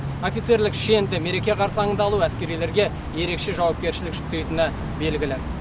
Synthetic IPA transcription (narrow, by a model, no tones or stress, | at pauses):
o̞fʲit̪se̞ɾlɪkʃe̞nd̪ɪme̞ɾe̞kʲe̞qʰɑɾsəɑŋənd̪ɑlˠuæskʲe̞ɾijle̞ɾɡʲe̞ | je̞ɾe̞kʃe̞ʒɑwɑp̚kʲe̞ɾʃɪlɪkʒʏt̪ːe̞jt̪ɪnɪ | be̞lɡʲɪlɪ